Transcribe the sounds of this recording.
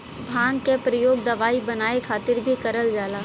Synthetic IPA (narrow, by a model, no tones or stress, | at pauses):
bʱãːŋɡkepɾɐjoːɡ̚d̪ɐʋaːibɐnaːekʰaːt̪ɪɾbʱikɐɾəld͡ʒaːlaː